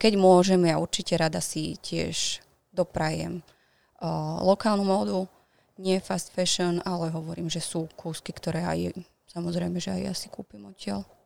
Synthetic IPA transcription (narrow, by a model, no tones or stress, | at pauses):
kɛɟmʊɔʒɛmjauɾt͡ʃicɛɾad̪asḭcɪɛ̰ʒ̥ | d̪ɔpɾajɛ̰m | lɔkaːlnumɔːd̪u | ɲɪɛfast̪fɛʃɔnalɛɦɔʋɔɾiːmʒɛsuːkʰuːskikt̪ɔɾɛːa̰jɛ̰ | samɔzɾɛjmɛʒɛajja̰si̥kuːpimɔcɪal